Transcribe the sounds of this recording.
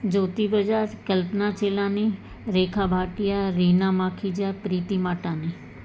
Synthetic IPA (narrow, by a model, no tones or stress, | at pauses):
d͡ʒoːt̪ibəd͡ʒaːɾkəlpnat͡ʃeːlãːni | ɾeːkʰabʱaːʈijaɾiːnãmãːkʰid͡ʒapɾiːt̪imaːʈãniː